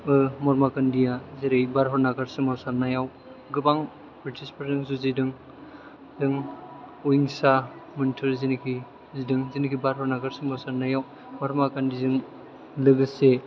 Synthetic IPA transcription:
ɯmɔɾmakandijazeɾejbaɾɦɔɾnaɡaɾsɯŋmawsaɾnajaw | ɡɯbaŋ | bɾitʰispʰɯɾzɯŋsuzidɯŋ | zɯŋ | uiŋsamɯntʰɯɾzinikʰi | zidɯŋzinikʰibaɾɦɔɾnaɡaɾsɯŋmawsaɾnajaw | mɔɾmakandizɯŋ | lɯɡɯse

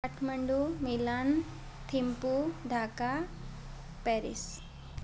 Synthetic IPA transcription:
ɐʈʰmɐɳɖumilaːn | t̪ʰimpud̪ʱaːka | peɾḭs

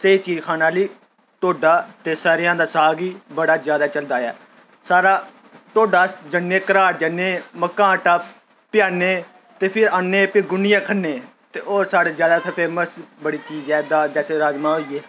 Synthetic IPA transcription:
seiːt͡ʃiːd͡ʒkʰaːnaːliː | t̪oːɖaːt̪eːsaːɾɪjãːd̪aːsaːɡiːbəɽaːzjaːd̪aːt͡ʃəld̪aːɛ̰ː | saːɾaː | t̪oːɖaːd͡ʒənːeːkəɾaːʈd͡ʒənːeːməkãːʈaː | pjaːneː | t̪eːpʰɪɾaːnːeːpɪɡʊnɪjãːkʰənːeː | t̪eːoːɾsaːɽeːzjaːd̪aːt̪ʰəpʰeːməsbəɽiːt͡ʃiːzɛːd̪aːd͡ʒɛːseːɾaːd͡ʒmãːɦoːiːeː

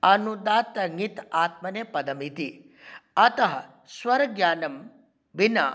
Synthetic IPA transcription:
ɐnud̪aːt̪ɐŋit̪aːt̪̚mɐneːpɐd̪ɐmit̪i | ɐt̪ɐɦɐ̰ | swɐɾɡjaːnɐm | binɐ̰

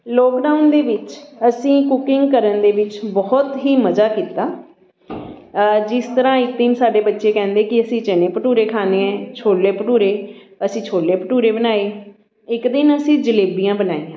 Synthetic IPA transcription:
lɔːkɖaːʊnd̪eːʋɪt͡ʃəsĩːkʊkɪŋɡkəɾənd̪eːʋɪt͡ʃbɔːt̪ɦiːməzaːkiːt̪aː | d͡ʒɪst̪əɾãːɪkd̪ɪnsaːɖeːbətːʃeːkɛ̃ːnd̪eːkɪəsĩːt͡ʃɛnẽːpəʈuːɾeːkʰaːneːɛ̃ːt͡ʃʰoːlːeːpəʈuːɾeː | əsĩːt͡ʃʰoːlːeːpəʈuːɾeːbənaːeː | ɪkd̪ɪnəsĩːd͡ʒəleːbijãːbənaːĩːã

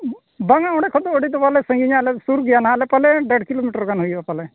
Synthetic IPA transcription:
baŋaɔɽɛkʰɔd̪ɔːɖit̪ɔpalɛsə̃ŋɡiɲalɛsuɾɡijanaalɛpalɛɖəɖkilomiʈəɾkanɦujbapalɛ

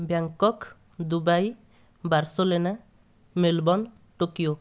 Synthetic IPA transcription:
bjaŋkɔk | d̪ubaj | baɾsolena | melbɔn | ʈokijo

